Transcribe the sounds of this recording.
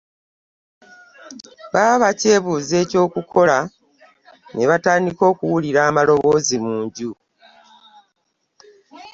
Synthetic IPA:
βaːβace̞ːβuːze̞ːco̞ːkukʰo̞la | ne̞βataːndiko̞ːkuwuliɾaːmalo̞βo̞ːzimuːɲɟu

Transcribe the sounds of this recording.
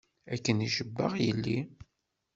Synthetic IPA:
ækːəniʃəbːə̰ʁjəlːi

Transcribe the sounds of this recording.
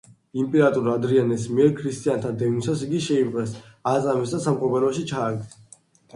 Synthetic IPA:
impʼɛɾat̪ʼuɾad̪ɾianɛsmiɛɾkʰɾist̪ʼiant̪ʰad̪ɛvnisasiɡiʃɛimqʼɛsat̪sʼamɛsd̪asamqʼɔpɛlɔʃit͡ʃʰaːɡ̚d̪

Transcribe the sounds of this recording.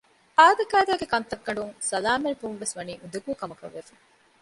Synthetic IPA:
ʔaːd̪ɐkæːd̪æːɡekɐnt̪ɐkːɐɳɖuŋsɐlaːmenibunʋesʋɐniːʔud̪uɡuːkɐmɐkɐ̰ʋːefɐŋ

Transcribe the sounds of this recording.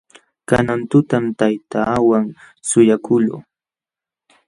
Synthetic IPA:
kanant̪ʊt̪amt̪ajt̪aːwaŋ | sʊjakʊlo̰ː

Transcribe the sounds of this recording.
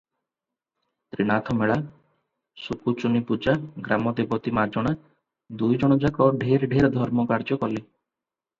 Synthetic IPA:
t̪ɾiɽ̃at̪ʰɔmeɭa | sukut͡ʃunipud͡ʒaɡɾamɔd̪ebɔt̪imad͡ʒɔɽ̃a | d̪ujd͡ʒɔɽ̃ɔd͡ʒakɔɖʱeɾɖʱeɾɔd̪ʱɔɾmɔkaɾd͡ʒɔkɔle

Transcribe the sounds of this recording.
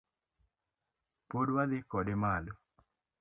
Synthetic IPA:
podwad̪ɪkɔdemalo

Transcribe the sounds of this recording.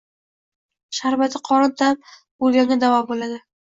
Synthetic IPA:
ʃaɾbat̪ʰɪqʰɒɾɨt̪ap̚ | olɡʲaŋʲad̪avɒbolad̪ɪ

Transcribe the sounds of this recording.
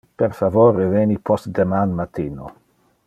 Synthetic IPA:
peɾfavoːɾevenipʰɔst̪d̪emanmat̪iːno

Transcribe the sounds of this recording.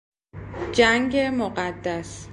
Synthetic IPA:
d͡ʒæŋɡemoɢæd̪ːæs

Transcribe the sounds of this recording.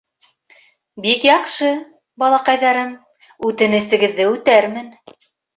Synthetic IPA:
bikjɑqʃɤ | bɑlˠɑqɑjðɑɾɘm | ʉt̪ɘ̆nɘ̆sɘ̆ɡɘ̆ðːɘʉt̪æɾmɘn

